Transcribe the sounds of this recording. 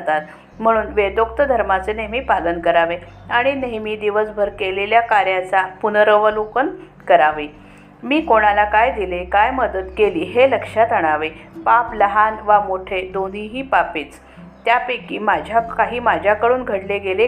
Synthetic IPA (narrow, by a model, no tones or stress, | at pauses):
at̪at̪ | m̤əɽ̃uːnʋed̪okt̪əd̪ʱəɾmat͡seneɦmiːpalənkəɾaʋe | aɽ̃ineɦmiːd̪iʋəsbʱəɾkeleljakaɾjat͡sapunəɾəʋəlukən | kəɾaʋi | miːkoɽ̃alakajd̪ilekajməd̪ət̪keliːɦeləkʂat̪əɽ̃aʋepapləɦanʋamoʈʰed̪on̤iɦiːpapiːt͡s | t̪japekiːmad͡ʑʱjakaɦiːmad͡ʑʱjakəɽuːnɡʱəɽleɡele